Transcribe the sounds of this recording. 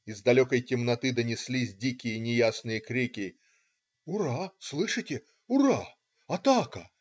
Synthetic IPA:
ɪzd̪ɐlʲokəjtʲɪmnɐt̪ɨd̪ənʲɪsʲlʲisʲdʲikʲɪjənʲɪjasnɨjəkɾʲikʲɪ | ʊɾaslˠɨʂɨtʲɪ | ʊɾa | ɐt̪akə

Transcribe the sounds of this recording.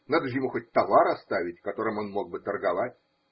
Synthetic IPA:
nad̪əʐɨjɪmuxot̚ʲt̪ɐvaɾɐst̪avʲɪtʲkɐt̪o̞ɾɨmo̞nmo̞ɡ̚bɨt̪ərɡɐvatʲ

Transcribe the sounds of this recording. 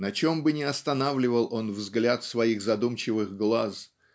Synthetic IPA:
nɐt͡ɕo̞mbɨnʲɪɐst̪ɐnavlʲɪvəlˠo̞nvzɡlʲat̪svɐiɣzɐd̪umt͡ɕɪvɨɣɡlˠas

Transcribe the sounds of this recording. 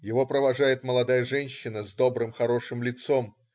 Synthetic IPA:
jɪvo̞pɾəvɐʐajɪt̪məlˠɐd̪ajəʐɛnʲɕːɪnəzd̪o̞bɾɨmxɐɾo̞ʂɨmlʲɪt̪so̞m

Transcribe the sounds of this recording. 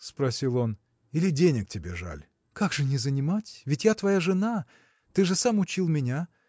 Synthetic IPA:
spɾɐsʲilˠo̞n | ilʲɪdʲenʲɪk̚tʲɪbʲeʐa̰lʲ | kaɡʐɨnʲɪzənʲɪmatʲvʲɪtʲjat̪vɐjaʐɨna | t̪ɨʐɨsamʊt͡ɕilˠmʲɪnʲa

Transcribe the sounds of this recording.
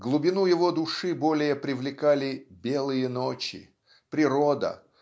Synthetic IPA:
ɡlˠʊbʲɪnujɪvod̪ʊʂɨbo̞lʲɪjəpɾʲɪvlʲɪkalʲɪbʲe̞lˠɨjənot͡ɕɪ̰ | pɾʲɪɾod̪ə̰

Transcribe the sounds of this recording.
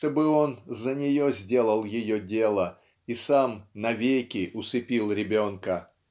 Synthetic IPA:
t̪obɨo̞nzənʲɪjozʲdʲe̞lˠəlˠjɪjodʲe̞lˠə | isamnɐvʲejkʲɪʔʊsɨpʲilˠɾʲɪbʲo̞nkə

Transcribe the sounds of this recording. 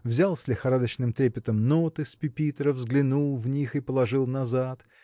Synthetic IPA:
vzʲalˠsʲlʲɪxɐɾad̪ət͡ɕnɨmt̪ɾʲepʲɪt̪əmnot̪ɨspʲɪpʲit̪əɾəvzɡlʲɪnulˠvnʲixɨpəlˠɐʐɨlˠnɐzat̪

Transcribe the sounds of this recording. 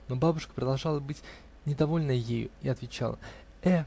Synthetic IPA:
no̞babʊʂkə̥pɾəd̪ɐlˠʐɑlˠəbɨtʲ | nʲɪd̪ɐvo̞lʲnəjejʊ̰iɐt̪vʲɪt͡ɕa̰lˠə̰ | ɛ

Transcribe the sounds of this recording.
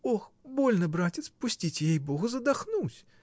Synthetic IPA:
ɔxbɔlʲnɐbɾat͡sʲɪt̪spusʲt͡sʲit͡sʲejejbɔɣʊzɐd̪axnut͡sʲ

